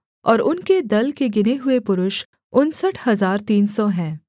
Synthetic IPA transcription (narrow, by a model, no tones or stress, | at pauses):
ɔːɾʊnked̪ɐlkeɡɪneɦʊepʊɾʊʃ | ʊnsəʈʰhɐzaːɾt̪iːnsɔɦɛ̃ː